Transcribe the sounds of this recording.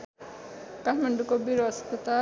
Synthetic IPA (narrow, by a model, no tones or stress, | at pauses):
kaʈʰmaɳɖukobiɾʌst̪t̪a